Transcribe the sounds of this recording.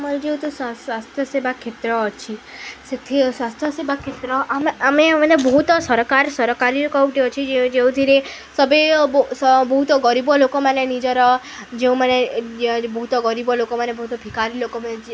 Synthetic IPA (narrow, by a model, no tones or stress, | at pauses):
maɾd͡ʒeũt̪osasʋast̪ʰjəsebʱakʰet̪ɾɔt͡ʃʰiset̪ʰisʋast̪ʰjəsebʱakʰet̪ɾɔameamemənebəɦut̪ɔsəɾɔkaɾsəɾɔkaɾilokũʈ̪eot͡ʃʰid͡ʒẽd͡ʒeũd̪ʱiɾe | səbebsbəɦut̪ɔɡəɾibɔlokomanenid͡ʒɔɾɔ | d͡ʒeũmane | bəɦut̪ɔɡəɾibɔlokomanebəɦut̪ɔbʱikaɾilokomaed͡ʒ